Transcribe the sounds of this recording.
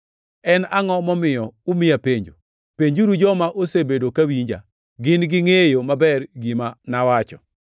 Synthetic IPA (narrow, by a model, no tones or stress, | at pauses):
ɛnaŋɔmɔmɪjɔʊmɪjapeɲd͡ʒo̰ | peɲd͡ʒuɾud͡ʒɔmaʔosebedokawiɲd͡ʒa̰ | ɡɪnɡɪŋejomabɛrɡimanawat͡ʃɔ̰